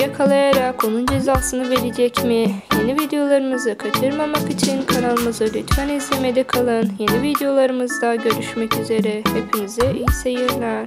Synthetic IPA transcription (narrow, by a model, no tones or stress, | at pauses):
jakʰalˠajaɾako̞nund͡ʒe̞zaːsɯnɯbe̞lʲid͡ʒɛcmije̞nivid̪ejo̞lˠaɾɯmɯzɯkʰat͡ʃʰɯɾmamakit͡ʃʰinkʰanalˠɯmɯzɯlʲyt̪fænizlʲemed̪ɛkʰalˠɯnje̞nivid̪ejo̞lˠaɾɯmɯzd̪aɟø̞ɾyʃmɛcyze̞ɾɛhepʰinizɛijsejiɾlʲæɾ̥